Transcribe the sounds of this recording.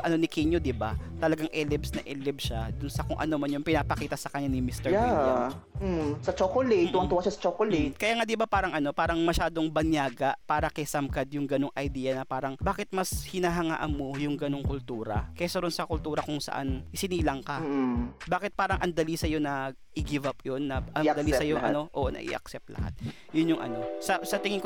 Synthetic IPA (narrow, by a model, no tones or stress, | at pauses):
ʔɐno̞nɪkiɲod̪ɪbat̪ɐlɐɡaŋʔɛlɛbsnɐʔɛːlɛbʃad̪ʊnsɐkʊŋʔɐ̰noːmɐnjʊŋpɪnapɐkiːt̪ɐsɐkɐɲːanɪmist̪ɛɹa | sɐt͡ʃokolit̪wɐnt̪uwaʃasɐ̥t͡ʃokolit̪̚kɐjaːŋad̪ɪbapaːɾɐŋʔɐno̞paːɾɐŋmɐʃaːd̪o̞ŋbɐnjaːɡɐʔpaːɾɐkɛjsɐmkɐd̪jʊŋɡɐno̞ŋʔɐjd̪iːɐnɐpaːɾɐŋbaːkɪt̪̚mɐshɪnaɦɐŋa̰ːʔɐnmːojʊŋɡɐno̞ŋkʊlt̪uːɾɐ̰kɐsɐɾonsɐkʊlt̪uːɾɐkʊŋsɐ̰ʔa̰nʔɪsɪniːlɐŋkɐbaːkɪt̪̚paːɾɐŋʔɐnd̪ɐlisɐjo̞nɐ | ʔɪɡɪvɐpjonːɐʔɐnɐlisɐjoɐ̰no̞ʔoʔnɐ̰ʔɪ̰ʔɐ̰ksɛp̚t̪lʔɐ̰ha̰t̪̚ | jʊnjʊŋʔɐ̰no̞sɐsɐt̪ɪŋɪŋko